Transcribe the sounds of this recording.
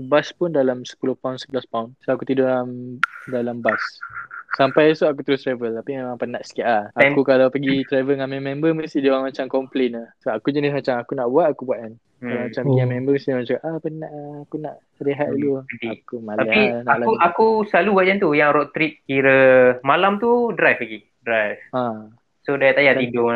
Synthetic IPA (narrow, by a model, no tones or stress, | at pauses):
baspʊndalamsə̥pulʊhpaunsəbəlaspaunsoakut̪idoʔamdalambasː | ampajsoak̬ut̪əɾʊst̪ɾavəlt̪apimemãŋpənaʔsə̥kiaʔlaakukalawpəɡit̪ɾavəŋanmɛ̃mɛ̃mbəməst̪idaamat͡ʃamkɔmplenəsoakud͡ʒənɪs̬mat͡ʃamakunaʔbuat̪̚akubuaʔ̚kan | kalamat͡ʃamɡiŋãmɛmbəməsimat͡ʃaaʔapənaʔakunaʔ | ɾeɦat̪̚iludiakumalaainaalauakuslalubwat̪ʔ̚kant̪ujaŋɾɔʔt̪ɾit̪̚kiɾəmalamt̪udɾajfəɡi | dɾajfã | sodajat̪ajat̪idʊ